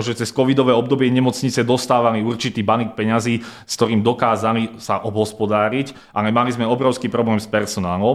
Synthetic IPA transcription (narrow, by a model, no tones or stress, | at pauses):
ʒɛt͡sɛskɔʋid̪ɔʋɛːɔb̚d̪ɔbɪɛɲɛmɔt͡sɲit͡sɛd̪ɔst̪aːʋaliuɾt͡ʃit̪iːbanik̚pɛɲaziːskt̪ɔɾiːmd̪ɔkaːzalisaʔɔbɦɔspɔd̪aːɾic | ʔalɛmalizmɛɔbɾɔʊskiːpɾɔblɛːmspɛɾsɔnaːlɔ